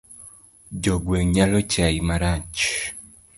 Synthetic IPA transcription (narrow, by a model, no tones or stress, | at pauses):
d͡ʒɔɡweɲalot͡ʃaimaɾat͡ʃ